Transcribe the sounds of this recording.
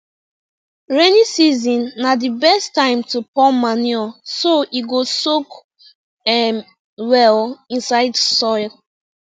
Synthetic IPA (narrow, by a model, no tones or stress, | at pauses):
ɹɛnisizɔ̃nːadibɛstãɪ̃mtupɔlmaniɔsoiɡosok | ɛm | wɛlĩnsaɪdsɔɪl